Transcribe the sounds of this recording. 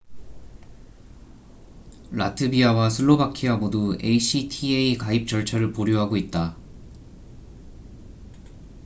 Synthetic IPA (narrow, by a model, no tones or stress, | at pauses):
la̰tʰɯbiawasʰɯɭːobakʰiamodue̞̰iɕ͈ʰitʰieikaip̚t͡ɕ͈ʌɭt͡ɕʰʌɾɯɭpoɾjoɦaɡoit̚t͈a